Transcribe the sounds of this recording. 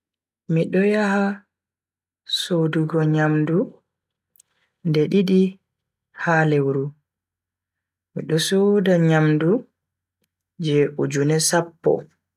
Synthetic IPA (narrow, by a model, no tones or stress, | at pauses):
miɗɔjaha | soduɡɔɲamdu | ndɛɗiɗi | halɛwɾu | miɗɔsodaɲamdu | d͡ʒɛʔud͡ʒunɛsapːɔ̰